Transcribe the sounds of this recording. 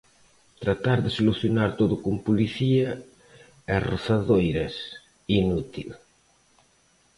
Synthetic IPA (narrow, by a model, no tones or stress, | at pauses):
t̪ɾat̪aɾðesoluθjonaɾt̪oðukumpuliθia | eroθaðojɾɐs | inut̪ḭl